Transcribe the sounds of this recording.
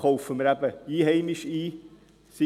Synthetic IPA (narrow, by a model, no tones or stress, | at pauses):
owfəməɾæbəiːɦɛɪniʃiː | si